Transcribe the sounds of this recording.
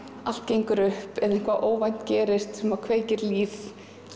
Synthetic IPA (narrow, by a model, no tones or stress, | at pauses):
al̥t̪̚cejŋkʏɾʏhpɛðɪŋ̥kʰvaʔoːwvajn̥cɛːɾɪst̪sɛmaðkʰveːjcɪɾliːθ